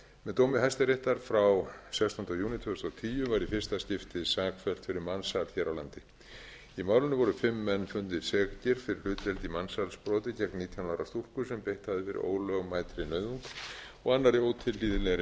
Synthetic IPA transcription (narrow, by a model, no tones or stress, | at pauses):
mɛðt̪owmɪɦajst̪ɪɾeht̪aɾ̥fɾawsɛkst̪ɔnt̪awjuːnɪt̪ʰʏʏst̪awt̪ʰiːjʏvaɾifɪr̥st̪ascɪft̪ɪðsaːkfɛl̥t̪fɪɾɪɾmansalçɛːɾawlant̪ɪ | imaːwlʏnɪvɔɾʏfɪmːɛnːfʏnt̪ɪsɛkcɪɾ̥fɪɾɪɾl̥ʏːt̪ɾɛlt̪imansalspɾɔːt̪ɪcɛknniːt̪ʰjanaːwɾast̪ur̥kʏsɛmpejht̪havðɪfɪɾɪ̰ʔo̰ːwlœɣmaːjt̪ɾɪnœːɥðuŋk | ɔɣanːaɾɪoːwt̪ʰɪlliːðɪlɛɾɪ